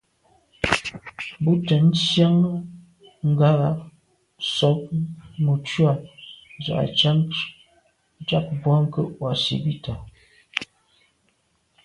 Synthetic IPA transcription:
bu˦tə˨n̩˦sja˦ŋ˦ | ŋ̩˦ɡa˦la˨˦ | sɔ˨˦p̚mu˨t͡ʃwa˦˨za̰˨ʔa̰˨t͡ʃa˦ŋ˦ | t͡ʃa˦k̚bwa˦ŋ̩˦kə˦ʔwa˨sḭ˨bi˦ta˨

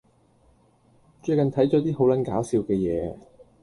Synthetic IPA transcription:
t͡ʃɵ˧ɥkɐ˨nt̪ʰɐ˨˥jt͡ʃɔː˨˥t̪iː˥ho˨˥wlɐ˨˥nkaː˨˥wsiː˨˧wkɛː˧jɛ̰ː˨˧˦

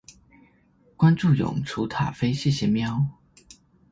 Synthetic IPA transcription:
kwa˥nʈ͡ʂu˥˩jʊ̰˨˩ŋʈ͡ʂʰu˧˥t̪ʰa̰˨˩fe˥ɪɕi˥˩ɕjɛ˧˥mjɑ˥ʊ

